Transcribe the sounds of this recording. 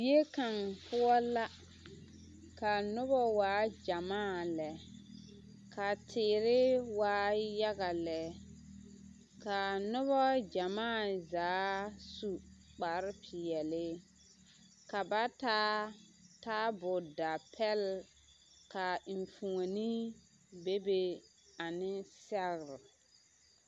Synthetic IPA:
e˦ka˨ŋpʊ˦ɔ˦la˦ | ka˨nʊ˦bɔ˦waː˨˦d͡ʒa˨maː˦˨lɛ˨ | kʰa˨tʰɪː˨ɾɪ˦waː˨˦ja˦ɣa˨lɛ˨ | ka˨nʊ˦βɔ˦d͡ʒa˨maː˦˨zaː˨˦su˨k͡pa˨ɾpʰɪ˨jɛ˨lɪ˦ | ka˨ba˦taː˦ | taː˦bʊ˨da˨pʰɛ˦l | ka˨i˨ɱfu˨ŋo˨ni˦ | be˦be˦ | a˨nɪ˦sɛ˦ɣɾɪ˨

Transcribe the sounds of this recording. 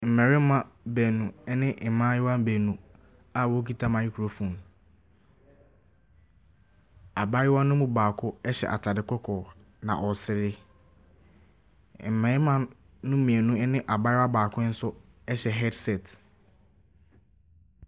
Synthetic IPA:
m̩˨mɛ̃˨ɾɪ˦m˦mã˨bɛ˨nũ˨ɛ˦nɪ̃˦ʔɪ˨mã˦ɪ˦wa˦m˦bɛ˨nũ˨ | a˦˨wɔ˦k̬i˦tʰa˦mã˨ɪ˦kʰu˨ɾo˦fũ˨m | a˨ba˦jɪ˦wa˦nʊ̃˦mʊ̃˦baː˨kʰʊ˦ɛ˦ɕɛ̰˨ʔa̰˨tʰa˨dɪ˨kʰʷɔ˦kʰɔː˨ | nã̰˨ʔɔ˨sɪ˨ɾɪ˦ | m̩˨mɛ̃˨ɾɪ˦mã˦ | nʊ̃˦mĩ˨e˨nũ˦nɪ̃˦ʔa˨ba˦jɪ˦wa˦baː˨kʰʊ̃˦n̩˦sʊ˦ | ɛ˦ɕɛ˨ɦɛ˦dsɛ˨t

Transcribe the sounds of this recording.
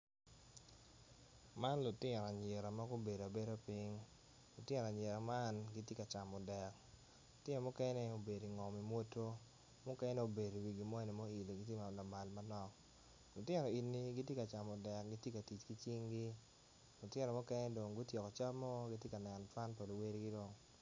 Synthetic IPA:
ma˦nlʊ˨tɪ˦ɾɔ˨a˨ɲe˨ɾa˨ma˦ɡʊ˦be˨do˨a˨be˦ɾo˦pi˦ŋ | lʊ˨tjɪ˦ɾa˨ɲe˨ɾa˨ma˦nɡi˦tje˦ka˨t͡ʃa˨mɔ˨dɛ˨k | lʊ˨tɪ˦ɾɔ˨mʊ˦kɛ˦nɛ˦o˨be˨di˨ŋɔ˨mi˨mwo˦to˦ | mʊ˦kɛ˦nɛ˦o˨be˨do˨wi˨ɡi˨mɔ˦ɛ˦ne˨mɔ˦i˨lo˨ɡi˦tje˦ma˨na˨ma˨lma˦nɔ˦k | lʊ˨tjɪ˦ɾɔ˨i˨nːi˦ɡi˦tje˦ka˨t͡ʃa˨mɔ˨dɛ˨k̚ɡi˦tje˦ka˨ti˨t͡ʃki˦t͡ʃi˦ŋɡi˦ | lʊ˨tɪɛ˦ɾɔ˨mʊ˦kɛ˦nɛ˦do˨ŋɡʊ˦tje˨kɔ˨t͡ʃa˦mɔ˦ɡi˦t̬je˦ka˨nɛ˨nt͡ʃwa˦npo˨lo˨we˦ɾi˦ɡi˦do˨ŋ

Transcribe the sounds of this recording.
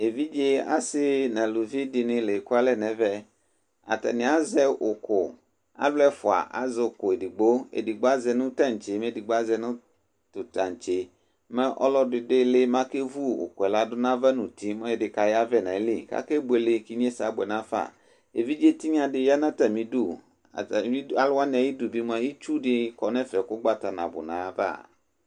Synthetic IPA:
e˨vi˦d͡ʒe˦a̰˦sɪ˦nã˨lu˨vi˦dɪ˨nɪ̃˨le˨ku˦a˦lɛ˦˨nɛ̃˨vɛ˦ | a̰˨t̪a̰˨nɪ̃˨a˦zɛ˦ʔʊ˨kʊ˨ | a̰˦blɛ˦fʊ˨a̰˨ʔa̰˨zɪ˨kʊ˨e˨di˨ɡ͡bo˦ḛ˨di˨ɡ͡bo˦a˦zɛ˨nʊ̃˦t̪a˦˨ɲ˨t͡ʃe˨mẽ˦˨di˨ɡ͡bo˦a˦zɛ˨nʊ̃˦ | t̪ʊ˨t̪a˨ɲ˨t͡ʃe˦ | me˦ʔɔ̰˦lɔ˦dɪ˨dɪ˦lɪ˦mã˦ke˦vu˦o̰˨kɛ˨la˦dʊ˦nã˦va˦nũ˨t̪i˦mɛ̃˦je˨dɪ˨ka˨ja˦vɛ˦nã˨˦li˦˨ka̰˦ke˦bu˦e˨lɪ˨ki˦ɲ˦e˦sa˨˦bɛ˨nã˦fa̰˨ | e˨vi˦d͡ʒe˦t̪i˦ɲã˨dɪ˨ja˦nã˦t̪a˨mĩ˨du˦˨ | ĩ˦a˨la˦nɛ̃˨ji˦du˨bi˦m˦a˨ji˦t͡ʃu˦ɖɪ˦kɔ˨nɛ̃˦fɛ˨kʊ˦ɡ͡ba˦t̪a˨nã̰˨bʊ̰˨nã˨˦va̰˦˨

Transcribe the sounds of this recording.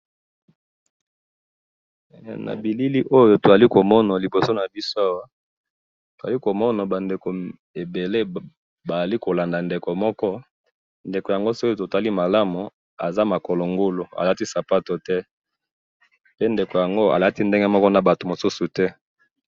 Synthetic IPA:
na̰˨bi˨li˦li˦ʔo˦jo˦to˨za˨li˦ko˨mɔ˦na˨li˨bo˨so˦na˨bi˦so˦a˦wa˦ | to˨za˨li˦ko˨mɔ˦na˨ba˨nde˨ko˨ | e˨be˨le˦ | ba˨za˨li˦ko˨la˨nda˨nde˨ko˨mɔ˦kɔ˦ | nde˨ko˨ja˨ŋɡo˦so˦ki˦to˨ta˦li˦ma˨la˦mu˨ | a̰˨za˦ma˨kɔ˨lo˨ŋɡo˦lo˨a̰˨la˦ti˦sa˨pa˦to˨tɛ˦ | pe˦nde˨ko˨ja˨ŋɡo˦a̰˨la˦ti˦nde˦ŋɡɛ˦mɔ˦kɔ˦na˨ba˨to˨mo˨su˦su˨tɛ˦

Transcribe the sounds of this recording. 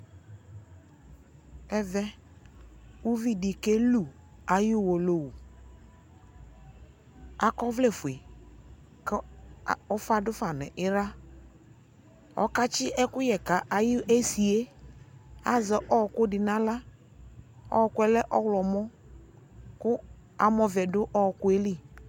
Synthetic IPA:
ɛ˦vɛ˦ | u˦vi˦di˨ke˦lu˨ | a˨ji˦˨wo˨lo˦wu˨ | a˨kɔ˦vle˨fʊ˨e˨ | kɔ˦fa˦dʊ˦fa˨nɛ̰˨ʔɪ˦ɾa˦ | ɔ̰˦ka˦t͡ʃɪ˦ʔɛ˦kʊ˦jɛ˨ka˨ʔa˨ji˦e˦si˨e˦ | a˦zɛ˨ʔɔ˦˨kʊ˦dɪ˨nã˦la˦ | ɔ̰˦˨kʊ˦ɛ˨˦lɛ˦ʔɔ˦wlɔ˨mɔ˦ | kʊ˦ | a˨mɔ˨vɛ˨dʊ˦ʔɔ˦˨kʊ˦e˦li˦

